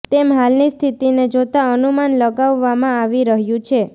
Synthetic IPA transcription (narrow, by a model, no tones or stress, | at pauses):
t̪emɦalnist̪ʰit̪ined͡ʒot̪aənumanləɡaʋːamãaʋiɾəɦjũt͡ʃʰe